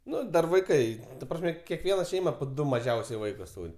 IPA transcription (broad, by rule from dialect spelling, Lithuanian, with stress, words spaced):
ˈnʊ ˈdɐr ʋɐɪˈkɐɪ tɐ ˈprɑːsʲmʲɛ kʲɛˈkʋʲiɛnɐ ˈʃʲɛɪmɐ poː ˈdʊ mɐˈʒʲɛʊsʲɛɪ ˈʋɐɪkʊs ˈtuːrʲ